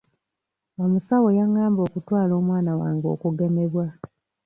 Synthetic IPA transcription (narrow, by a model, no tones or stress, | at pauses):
omusawo̞jaŋːaːmbo̞kutwaːlo̞ːmwaːnawaːŋɡo̞̰kuɡe̞me̞βwa